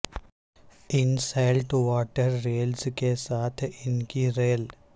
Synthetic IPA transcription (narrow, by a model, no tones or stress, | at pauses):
ɪnsaɪlʈʋaːʈəɾːeːlskesaːt̪ʰɪnkiɾeːl